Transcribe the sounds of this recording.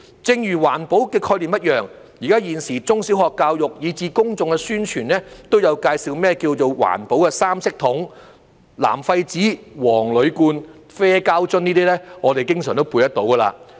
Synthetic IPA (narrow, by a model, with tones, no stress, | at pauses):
t͡sɪ˧ŋjyː˨˩waː˨˩npo˨˥wkɛː˧kʰɔː˧jliː˨˩mjɐ˥t̚jœː˨˩ŋ | jiː˨˩kaː˥jiː˨˧nsiː˨˩t͡sʊ˥ŋsi˨˥wɦɔː˨kːaː˧wjʊ˨k̚jiː˨˧t͡siː˧kʊ˥ŋt͡sʊ˧ŋkɛ˧syː˥nt͡ʃʰyː˨˩nlɛː˥t̪o˥wjɐ˨˧wkaː˧jsiː˨˧wmɛː˥kiː˧wt͡so˨wwa̰ː˨˩npo˨˥wkɛ˧saː˥msɪ˥k̚t̪ʰʊ˨˥ŋ | la̰ː˨˩mfɐ˧jt͡siː˨˥wɔː˨˩ŋlɵ˨˧ɥkuː˧n | fɛː˥kaː˥wt͡sɵ˥niː˥t̪iː˥lɛː˥ŋɔː˨˧e˨˩jkɪ˥ŋsœ̰ː˨˩ŋt̪o˥wpuː˧jt̪ɐ˥t̪̚o˨˥wkɐ˧la̰ː˧